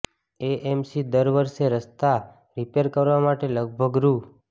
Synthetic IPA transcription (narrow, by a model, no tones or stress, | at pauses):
eʔemsid̪əɾʋəɾʃeɾəst̪a | ɾipeɾkəɾʋamaʈeləɡ̚bʱəɡɾu